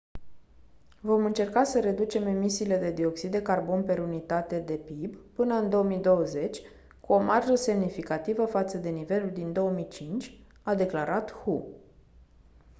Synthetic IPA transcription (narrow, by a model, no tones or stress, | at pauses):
vo̞mɨnt͡ʃe̞rkasəɾe̞d̪ut͡ʃe̞me̞misiːle̞d̪e̞d̪io̞ksid̪d̪e̞karbo̞npe̞ɾunit̪at̪e̞d̪e̞pibpɨnəɨnd̪o̞omijd̪o̞wəze̞t͡ʃʲ | kuo̞marʒəse̞mnifikat̪ivəfat̪səd̪e̞nive̞luld̪ind̪o̞əmit͡ʃint͡ʃʲ | ad̪e̞klaɾat̪hu